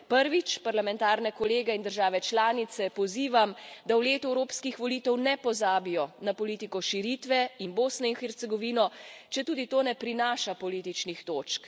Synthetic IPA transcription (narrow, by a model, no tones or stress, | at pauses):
pəɾʋit͡ʃpaɾlamɛ̃nt̪aːɾnɛkɔleːɡɛind̪əɾʒaːʋɛt͡ʃlaːnit̪sɛpɔziːʋamd̪awleːt̪uɛwɾoːpskixʋɔliːt̪ɛwnɛpɔzaːbijɔnapɔliːt̪ikɔʃiɾit̪ʋɛinboːsnɔinxɛɾt̪sɛɡɔʋiːnɔt͡ʃɛt̪uːd̪it̪oːnɛpɾinaːʃapɔliːt̪it͡ʃnixt̪oːt͡ʃk